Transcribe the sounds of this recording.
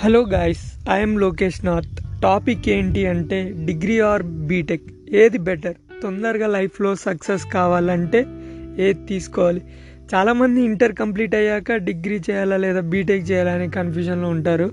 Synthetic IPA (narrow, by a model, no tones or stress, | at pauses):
heloːɡaːjsɐjɐmloːke̞ːʂnaːt̪ʈːaːpikːe̞ːɳʈiɐɳʈe̞ːɖiɡɾiːaːɾbiːʈek | eːd̪ibɛʈɐɾ | t̪ond̪ɐɾɡaːlɐjpʰlo̞ːsɐkseskaːʋaːlɐɳʈe̞ːeːd̪t̪iːsu̥kɔːʋaːli | t͡ʃaːlaːmɐnd̪iːɳʈɐɾkɐmp̬liːʈɐjːaːkɐɖiɡɾiːt͡ʃɛːjaːlaːlɛːd̪aːbiːʈek̚t͡ʃɛːjaːlaɐnekɐnpʰjuːʃɐnloːuɳʈaːɾu